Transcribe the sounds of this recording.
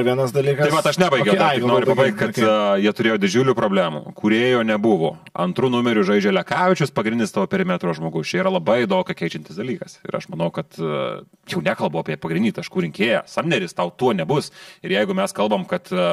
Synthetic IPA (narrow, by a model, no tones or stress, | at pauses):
ʋʲiɛnɐsd̪ɐlʲiːkɐɐɪʋɐt̪ɐʃnʲæːbɐɪɡʲɛʊd̪ɪnoːɾʲʊpɐbɐɪkt̪̚ʲkɐt̪jiɛt̪ʊɾʲeːjoːd̪ʲɪd͡ʒʲuːlʲuːpɾoːbʲlʲæːmṵːkuɾʲeːjoːnʲɛbʊʋoːɐnt̪ɾuːnʊmʲɛɾʲʊʒɐɪd͡ʒʲoːlʲɛkɑːʋʲɪt͡ʃʲʊspɐɡɾʲɪnʲnʲɪstɑːʋoːpʲɛɾʲɪmʲɛt̪ɾoːʒmoːɡɐʊst͡ʃʲɛiɾɐlˠɐbɐɪd̪oːkkɐkʲɛɪt͡ʃʲɪnʲt̪ʲɪsd̪ɐlʲiːkɐsɪ̰ɾɐ̰ʃmɐnɐʊkɐt̪ | jɛʊnʲæːkɐlˠboːɑːpʲiɛpɐɡɾʲɪnʲd̪ʲiːt̪ɐʃkuːɾʲɪŋʲkʲeːjosɐmʲnʲɛɾʲɪst̪ɐʊt̪uɔnʲɛbʊsɪɾjɛɪɡʊmʲɛskɐlˠbɐmkɐt̪